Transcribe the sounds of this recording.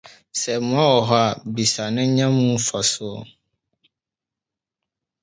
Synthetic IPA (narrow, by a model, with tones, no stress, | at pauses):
sɛ˨mʊ̃˦a˦wɔ˨ɦɔ˦a˨bi˨sa˨nʊ̃˦ɲã˦mũ˦fa˨sʊ˦ɔ˨